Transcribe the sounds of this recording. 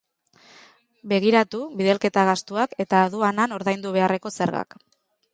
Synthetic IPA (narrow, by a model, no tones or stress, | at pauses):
be̞ɣ̞iɾat̪uβiðe̞lke̞t̪aɣ̞ast̪uake̞t̪aːðuanano̞ɾðajnd̪uβ̞e̞are̞ko̞seɾɣa̰k